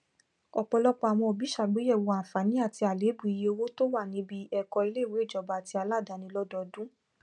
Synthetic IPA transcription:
ɔ˨k͡pɔ˧lɔ˦k͡pɔ˧a˨w̃ɔ̃˧˨bi˨˦ʃa˨ɡ͡be˨˦ɛ˦˨wo˧a˨fa˨˦nĩ˨˦a˦˨ti˧a˨le˨˦bu˨i˧je˧o˧wo˦to˦wa˦˨nĩ˨˦bi˦ɛ˧kɔ˧i˧˦le˦˨we˨˦˨d͡ʒɔ˨ba˨ti˧a˧la˦˨da˧nĩ˧˦lɔ˦dɔ˧dũ˦

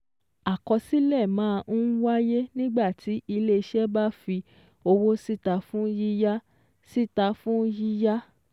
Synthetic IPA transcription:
a˨kɔ˧si˦lɛ˦˨mãː˦˧˦wa˦je˦nĩ˦ɡ͡ba˦˨tʰi˨˦i˧le˦˧ʃɛ˦ba˦fi˧ | o˧wo˦si˦˨ta˧fũ˦ji˦ja˦ | si˦˨ta˧fũ˦ji˦ja˦

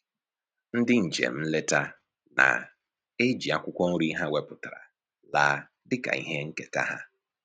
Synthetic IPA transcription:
n̩˦dɪ˦n̩˨d͡ʒḛ˨m̩˦le˦ta˦ | na̰˨ | e˦d͡ʒi˨a˦kʷʊ˦kʷɔ˦n̩˦ɾi˦ɦa˦we˦pʊ˨ta˨ɾa̰˨ | laː˨ | dɪ˦ka̰˨i˦ɦe˦ŋ̩˦ke˨ta̰˦ɦa˦

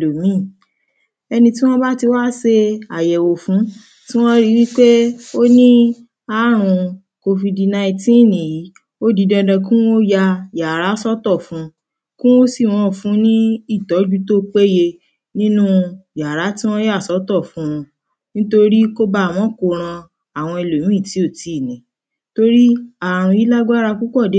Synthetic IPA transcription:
lo˨mĩ˦˨ | ɛ˧nĩ˧tĩ˦w̃ɔ̃˦ba˦ti˧wa˦se˧a˨jɛ˨wo˨fũ˨˦ | ti˦w̃ɔ̃˦ɾi˦wi˦k͡pe˦o˦nĩ˦ | a˨˦ɾ̃ũ˧ | ko˧fi˧di˧na˧ĩ˧tĩ˦˨nĩ˨ji˨˦ | o˦di˨˧˦dɛ̃˧dɛ̃˧kũ˦o˦ja˧ja˨ɾa˨˦sɔ˦tɔ˦˨fũ˨˦ | kũ˦o˦si˦˨w̃ɔ̃˨˦˨fũ˨˦nĩ˦i˦˨tɔ˨˦d͡ʒu˦to˦k͡pe˦je˧ | nĩ˦nũ˦ja˨ɾa˨˦tĩ˦w̃ɔ̃˦ja˦˨sɔ˨˦tɔ˦˨fũ˨˦ũ˧ | nĩ˦to˦˧ɾi˦ko˦ba˧˦˨mɔ̃˨˦ko˧˨ɾ̃ã˧ | a˨w̃ɔ̃˧i˧˨lo˨ñũ˨˦i˦˨ti˨˦o˦˨ti˨˦˨nĩ˨ | to˧ɾi˦a˨ɾ̃ũ˧i˨˦la˦ɡ͡ba˦ɾa˧ku˦kɔ˦˨de˨˦

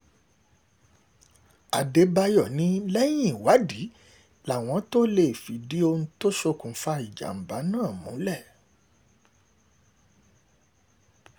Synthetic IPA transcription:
a˨de˨˦ba˧jɔ˦˨nĩ˨˦lɛ˦j̃ĩ˦˨wa˨˦di˨˦ | la˨w̃ɔ̃˧˦to˦le˦˨fi˨di˨˦o˧n̩˦to˦ʃo˧kũ˨˦fa˧i˨d͡ʒa̰˨m̩˨ba˨˦nãː˦˨mũ˨˦lɛ˦˨

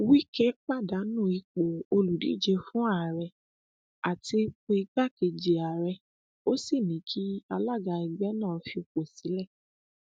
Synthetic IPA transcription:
wi˦kɛ˦k͡pa˦˨da˨˦nũ˦˨˦i˧k͡po˨o˧lu˨dḭ˨˦d͡ʒe˧fũ˦a˦˨ɾɛ˧ | a˨ti˧k͡pe˧i˧ɡ͡ba˦˨ke˧d͡ʒi˨a˨ɾɛ˧ | o˦si˦˨nĩ˨˦kʰi˦a˧la˦˨ɡa˧i˨ɡ͡bɛ˦nãː˦˨˦fi˧o˧k͡po˨si˨˦lɛ˦˨

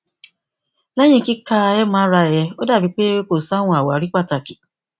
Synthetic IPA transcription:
lɛ˦j̃ĩ˧˨ki˦ka˦˧ɛ˦mã˨˦ɾa˧˨jɛ˧o˦da˦˨bi˨˧˦k͡pe˦ko˦˨sa˦wũ˧˦a˨wa˨˦ɾi˦k͡pa˦˨ta˨ki˨

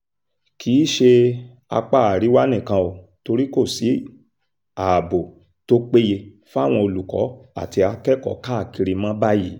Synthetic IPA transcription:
kʰiː˨˦ʃe˧ | a˧k͡pa˦˨a˨ɾi˨˦wa˦nĩ˦˨kã˧o˨to˧ɾi˦ko˦˨si˨˦ | a˨bo˨ | to˦k͡pe˦je˧ | fa˦˨w̃ɔ̃˧o˧lu˨kɔ̰˨˦a̰˦˨ti˧a˧kɛ˦kɔ̰˨˦ka˦a˦˨ki˧ɾi˧mã˦ba˦ji˨˦

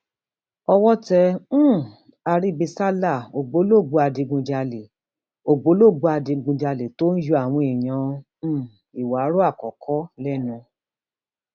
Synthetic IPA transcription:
ɔ˧wɔ˦tɛ̃˧˦˨ | a˧ɾi˦bi˧sa˦la˦˨o˨ɡ͡bo˨˦lo˦˨ɡ͡bu˧˦a˧di˧ɡũ˧d͡ʒa˧le˨ | o˨ɡ͡bo˨˦lo˦˨ɡ͡bu˧a˧dĩ˧ɡũ˧d͡ʒa˧le˨to˦n̩˦ju˧˦a˦˨w̃ɔ̃˧i˨j̃ã˨˦˨ | i˨wa˨˦ɾo˦a˦˨kɔ˨kʰɔ˦lɛ˦nũ˧

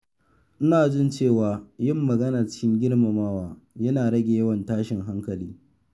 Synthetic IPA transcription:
ʔɪ˦naː˨d͡ʒɪ˦nt͡ʃeː˦˨waː˨jɪ˦˨mːɐ˨ɡɐ˦naː˨t͡ʃɪ˦kʲɪ˦ŋɡʲɪ˦ɽma˨maː˦waː˨ | jɐ˦naː˨ɽɐ˦ɡʲeː˨jɐ˦wɐ˨ntaː˦ʃɪ˨ŋɦa˦ŋkɐ˨liː˦

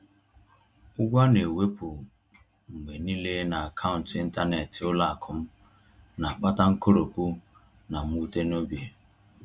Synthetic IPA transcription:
ʊ˦ɡʷa˦ne˨we˦pʊ˨ | ŋ͡m̩˨ɡ͡be˨ni˦le˦na˨a˨kʰa˦ʊ˨n̩˨tɪ˦n̩˦ta˦ne˨tʊ˦la˦a˨kʰʊ˦m̩˦ | na˨k͡pa˦ta˦ŋ̩˦ko˦ɾo˨ku˦ | na˨m̩˦u˦te˦no˦bje˨

